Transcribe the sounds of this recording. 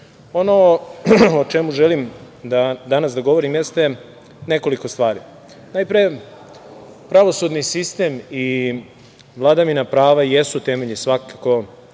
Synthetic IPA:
ono | ot͡ʃemuʒelim | d̪ad̪anas̬d̪aɡoʋo̞ɾimjest̪e | ne̞ko̞liko̞st̪ʋaːɾḭ | najpɾije | pɾaʋo̞sud̪nisist̪e̞mi | ʋlˠad̪aʋinapɾaːʋajesut̪e̞meʎisʋakako̞

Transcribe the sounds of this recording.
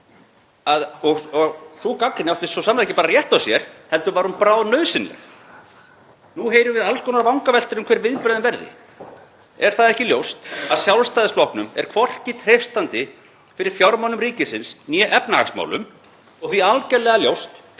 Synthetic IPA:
aðɔɣɔɣsukakːɪnawt̪ɪst̪sɔsaːmaðɛcːɪpaːɾarjɛht̪awsjɛɾ̥hɛlt̪ʏvaɾhunpɾaːwðnœːɥsɪnlɛ̰ɣ | nuɦeːjɾʏvɪðalskɔːnaɾvawŋkavɛl̥t̪ɪɾʏmkʰvɛːɾvɪðpɾœðʏmvɛɾðɪ̰ | ɛɾ̥θaðɛhcɪljowst̪aðsjawlst̪ajðɪsflɔhknʏmɛ̰ɾ̥kʰvɔr̥cɪt̪ʰr̥ejfst̪ant̪ɪ | fɪɾɪɾ̥fjawɾmawnʏmriːcɪsɪnsnjɛʔɛpnaa̰ksma̰wlʏ̰m | ɔɣθvialcɛɾlɛɣaljowst̪

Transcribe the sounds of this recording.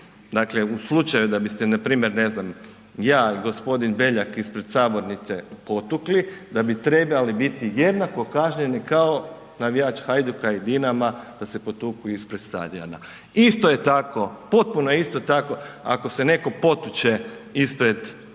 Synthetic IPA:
d̪akleuslˠut͡ʃajud̪abist̪enapɾiːmje̞ɾne̞znam | jaːiɡo̞spo̞d̪inbe̞ʎakispɾed̪saːbo̞ɾnit̪sepo̞t̪uklid̪abit̪ɾe̞balibit̪ije̞d̪nako̞kaʒɲenikao | naʋijaːt͡ʃxajd̪ukaid̪inamad̪̥asepo̞t̪ukujispɾed̪st̪a̰d̪ia̰na | ist̪ojet̪ako̞po̞t̪̚punojist̪ot̪ako̞a̰kosene̞ko̞po̞t̪ut͡ʃeispɾe̞d̪

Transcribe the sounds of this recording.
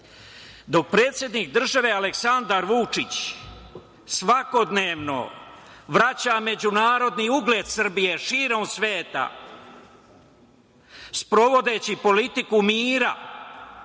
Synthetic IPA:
d̪o̞k̚pɾe̞ːt̪sje̞d̪nik̚d̪r̩ʒaʋe̞aleksand̪aɾʋut͡ʂit͡ɕ | sʋako̞d̪neːʋno̞̰ | ʋɾat͡ɕame̞d͡ʑunaːɾo̞d̪niuɡle̞ːd̪sr̩bije̞ʃiːɾo̞msʋe̞ːt̪a̰ | spɾo̞ʋo̞d̪e̞ːt͡ɕipo̞lit̪ikumiːɾa̰

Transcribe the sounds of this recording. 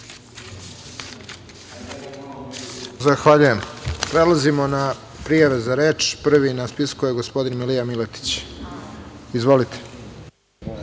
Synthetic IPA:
zaxʋaʎuje̞mpɾe̞lˠazimo̞na | pɾijaʋe̞zaɾe̞ːt͡ʃpr̩ʋinaspiskujeɡo̞spo̞d̪inmilijamilet̪i̥t͡ɕ | izʋo̞lit̪ʰe̥

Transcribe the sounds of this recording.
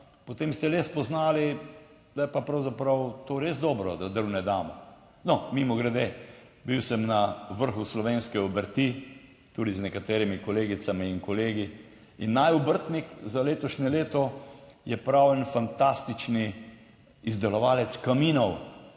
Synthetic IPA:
pɔt̪eːmst̪ɛlespɔznaːli | d̪̥ajɛpapɾawzapɾawt̪oːɾezd̪ɔːbɾɔd̪ad̪əɾwnɛd̪aːmɔ | nɔmimɔɡɾɛd̪e | biwsəmnaʋəɾxuslɔʋeːnskɛɔbəɾt̪i | t̪uːd̪iznɛkat̪eːɾimikɔleːɡisamiːŋkɔleːɡi | inːajɔbəɾt̪nikzaleːt̪ɔʃnʲɛleːt̪ɔjɛpɾawɛnfant̪ast̪it͡ʃni | izd̪ɛlɔʋaːlɛt̪skamiːnɔw

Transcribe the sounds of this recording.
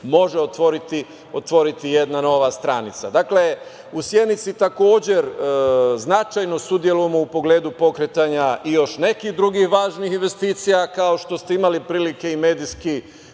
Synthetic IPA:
mo̞ʒeot̪ʋo̞ɾit̪i | ot̪ʋo̞ɾit̪ije̞d̪nano̞ʋast̪ɾanit̪sad̪akle̞ | usjed̪nit̪sit̪ako̞ːd͡ʑe̞ɾ | znat͡ʃajno̞sud̪je̞lujemo̞upo̞ɡle̞ːd̪upo̞kɾet̪aɲaʔijo̞ʃne̞kixd̪ɾuɡixʋaːʒnixinʋe̞st̪iːt̪sijakao̞ʃt̪o̞st̪eimalipɾiːlike̞ime̞ːd̪iski

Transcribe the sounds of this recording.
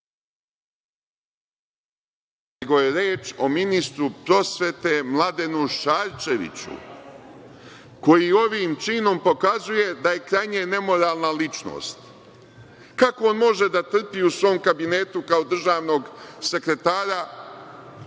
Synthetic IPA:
neɡo̞je̞ɾeːt͡ʃo̞minist̪ɾupɾo̞sʋe̞t̪e̞mlˠad̪e̞nuʃaːɾt͡ʃe̞ʋḭt͡ɕṵ | ko̞jio̞ʋiːmt͡ʃiːno̞mpo̞kazuje̞d̪aje̞kɾajɲene̞mo̞ɾaːlˠnalit͡ʃno̰ːst̪ | kako̞onmo̞ʒe̞d̪at̪r̩piusʋo̞ːmkabine̞ːt̪ukao̞d̪r̩ʒaːʋno̞ɡse̞kɾe̞t̪aːɾa

